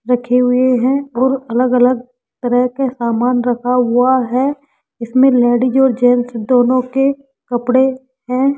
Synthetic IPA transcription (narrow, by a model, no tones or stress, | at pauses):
ɾəkʰeɦʊeɦɛ̃ɔːɾɐləɡələɡ | t̪əɾəɦkasaːmaːnɾəkʰaɦʊaɦɛː | ɪsmẽlɛːɽid͡ʒɔːɾd͡ʒɛːnsd̪oːnõke | kəpɽe | ɦɛ̃ː